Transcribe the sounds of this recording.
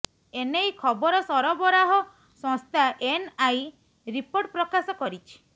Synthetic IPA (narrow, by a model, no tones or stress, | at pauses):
enejkʰɔbɔɾɔsɔɾɔbɔɾaɦɔ | sɔ̃ŋst̪ʰaʔenaj | ɾipoɾʈ̚pɾɔkasɔkɔɾit͡ʃʰi̥